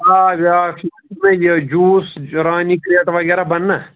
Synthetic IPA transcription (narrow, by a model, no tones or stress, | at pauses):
aʋaːkːtmẽjd͡ʒuːsɾaːnikɾeːʈʋɐɡɛːɾabɐnːa